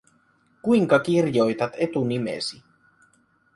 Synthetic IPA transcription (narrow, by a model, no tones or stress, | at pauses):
kuiŋkɑk̟irjo̞jt̪ɑt̪et̪unimḛsi